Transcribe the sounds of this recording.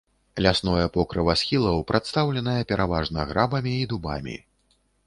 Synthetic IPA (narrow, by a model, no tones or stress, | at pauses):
lʲasnɔjɛpɔkɾɨvɐsxʲilˠɐwpɾʔat̪st̪awlʲɛnɐjɐpʲɛɾʔavaʐnɐɣɾʔabɐmʲiːd̪uba̰mʲḭ